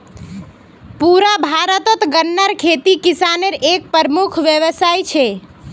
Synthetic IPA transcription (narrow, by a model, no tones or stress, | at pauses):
puɾabʱaɾət̪ət̪ɡənːəɾkʰet̪ikisaneɾek̚pəɾmukʰʋjəʋəsajt͡ʃʰɛ